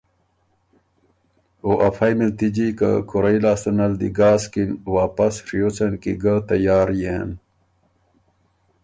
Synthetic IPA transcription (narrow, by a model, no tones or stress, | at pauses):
oʔɐfɐjmilt̪id͡ʑika̰kʰuɾɐjlaːst̪unɐld̪iɡaːskinwaːpɐsʂijot͡sɐnkiɡat̪ɐjaːɾjen